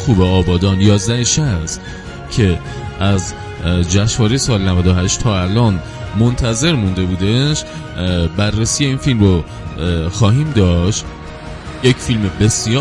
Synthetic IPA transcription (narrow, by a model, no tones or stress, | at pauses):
xuːbeɒːbɒːd̪ɒːnjɒːzd̪æheʃæs | cʰe̞ | ʔæz | d͡ʒæʃvɒːɾejsɒːlenævæd̪ohɦæʃt̪t̪ʰɒːælɒːn | mont̪ʰæze̞ɾmund̪e̞buːd̪eʃ | bærːesije̞iːnfilmro | xɒːɦiːmd̪ɒːʃt̪ | jecʰfilmebe̞sjɒː